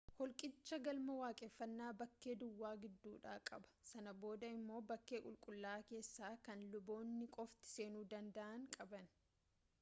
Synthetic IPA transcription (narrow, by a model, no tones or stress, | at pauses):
hɔlkʼɪt͡ʃːɐɡɐlmɐwaːkʼɛfːɐnːaːbɐkːe̞ːd̪ʊwːaːɡɪd̪ːuːᶑaːkʼɐbɐ̥sɐnɐbo̞ːd̪ɐɪmːo̞ːbɐkːe̞ːkʼʊlkʼʊlːaːke̞ːsːaːkɐnlʊbo̞ːnːɪkʼɔft̪ɪ̥se̞ːnuːd̪ɐnd̪ɐʔɐŋkʼɐbɐn